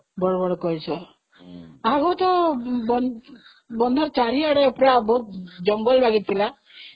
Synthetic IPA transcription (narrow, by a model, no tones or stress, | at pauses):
bɔɽɔbɔɽɔkɔjt͡ʃʰɔ | aɡot̪ɔbɔn | bɔnd̪ʱɔɾt͡ʃaɾiaɽeɔpɾabɔɦut̪d͡ʒɔŋɡɔlbaɡit̪ʰila